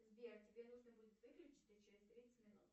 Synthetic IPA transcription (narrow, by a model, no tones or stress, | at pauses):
zʲbʲeɾtʲɪbʲenuʐnəbudʲɪt̪vɨklʲʉt͡ɕɪ̥t̪sət͡ɕɪɾʲɪsʲt̪ɾʲit̪sə̥t̪ʲmʲɪnṵt̪